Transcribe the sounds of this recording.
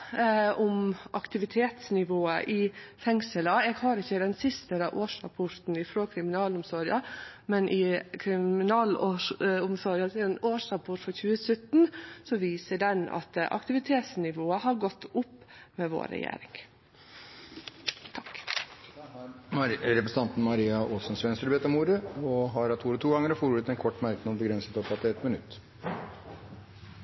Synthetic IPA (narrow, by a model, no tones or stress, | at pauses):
ʊmʔɑkt̪ɪʋɪt̪ʰeːt̪snɪʋoːə̰ʔɪfɛŋsələɛːɡhɑːɾɪçːəd̪ɛnsɪst̪əɾɑʔoːʂɾɑ̰pʰʊɾt̪n̩ɪfɾoːkʰɾɪmɪnɑːlʊmsɔɾɪɑmɛnʔɪkʰɾɪɪnɑːl | ʊmsɔɾjɑt̪ɪnoːʂɾɑpʰʊɾfɔçʉːəsœt̪nsɔʋiːsəɖɛnɑ̰t̪ʔɑ̰kt̪ɪʋɪt̪ʰeːt̪snɪʋoːəhɑɾɡɔt̪ːʊpːmɛʋo̰ːɾɛ̰jḛːɾɪ̰ŋ | t̪ʰɑk | hɑɾɾɛpɾəsn̩ɑnt̪n̩mɑɾiːɑʔoːsənsʋɛnst̪əɾbeːt̪əmuːɾəɔɦɑɾɑt̪ʰuːɾɔt̪ʰuːɡɑŋəɾɔfoːɾuːɾət̪ːɛnkʰɔʈːmæɾknbəɡɾɛnsət̪ɔpɑt̪ːɪɛt̪mənʉt̪ː